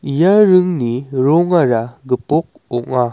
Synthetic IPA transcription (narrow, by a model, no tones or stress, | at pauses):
ijaɾɯŋniɾɔŋaɾaɡɯpɔk̚ɔka